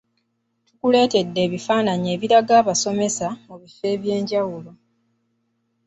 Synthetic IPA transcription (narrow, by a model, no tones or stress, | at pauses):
tukule̞ːte̞dːe̞ːβifaːnaɲe̞ːβiɾaɡaːβaso̞me̞samuβife̞ːβje̞ːɲɟawulo̞